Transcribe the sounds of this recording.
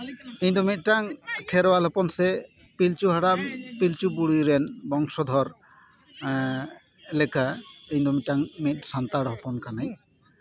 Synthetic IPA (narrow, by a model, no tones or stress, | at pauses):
eɲd̪ɔmit̪̚ʈaŋkʰɛɾwalɦɔpɔnsɛ | pilt͡ʃuɦaɽampilt͡ʃubuɽiɾɛnbɔŋsɔd̪ʱɔɾ | lɛkʰaej̃d̪ɔmit̪̚ʈaŋmit̪̚sant̪aɽɦɔpɔnkanaj